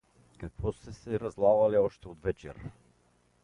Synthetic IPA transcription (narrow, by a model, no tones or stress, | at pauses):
kakvɔst̪ɛsɛɾazlˠavalɛɔʃt̪ɛod̪vɛt͡ʃɛ̰ɾ